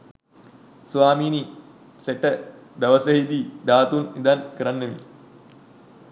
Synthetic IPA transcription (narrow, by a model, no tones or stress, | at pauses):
suʋaːmiːni | seʈəd̪ɐʋəsəɦid̪iːd̪aːt̪unid̪ankəɾanːəʋi